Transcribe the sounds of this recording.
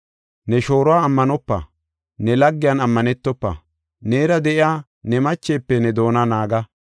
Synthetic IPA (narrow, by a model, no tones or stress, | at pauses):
nɛʃo̞ːɾɔwaːmːɐnɔpːɐ̰ | nɛlɐɡːɪjɐnɐmːɐnɛt̪ːɔpːɐ̰ | neːɾɐd̪ɛʔɪaː | nɛmɐt͡ʃːeːpːɛnɛd̪o̞ːnɐnaːɡɐ